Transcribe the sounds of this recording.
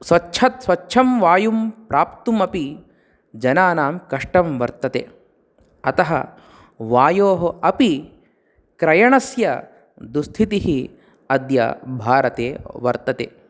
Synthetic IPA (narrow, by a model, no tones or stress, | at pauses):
sʋɐtːʃʰɐt̪sʋɐtːʃʰɐmʋaːjumpɾaːpt̪umɐpi | d͡ʒɐnaːnaːmkɐʂʈɐmʋɐɾt̪ɐt̪ḛː | ɐt̪ɐɦɐ̰ | ʋaːjoːɦɐʔɐpi | kɾɐjɐɳɐsjɐ | d̪ust̪ʰit̪iɦi | ɐd̪jɐ̰bʱaːɾɐt̪ḛːʋɐɾt̪ɐt̪ḛː